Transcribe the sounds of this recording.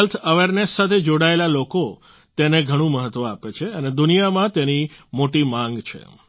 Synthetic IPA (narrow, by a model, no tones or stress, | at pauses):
əlt̪ʰəʋeɾnessat̪ʰed͡ʒoɽaelaloko | t̪eneɡʱəɽ̃ũməɦət̪ːʋə̃apet͡ʃʰeəned̪unijamãt̪enimoʈimãŋɡt͡ʃʰḛ